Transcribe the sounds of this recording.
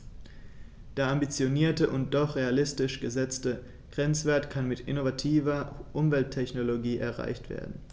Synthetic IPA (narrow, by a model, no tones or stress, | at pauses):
d̥eːɐambit͡sjoniːɐtəʔʊnt̚d̥ɔχʁ̥ealɪstɪʃɡ̥əzɛt͡stə | ɡ̥ʁɛnt͡sv̥eːɐtkʰanmɪtʔɪ̰novatʰiːvɐʔʊmvɛltʰːɛçnoloɡiːʔɛɐʁa̰ɪçtv̥ḛːɐdn̩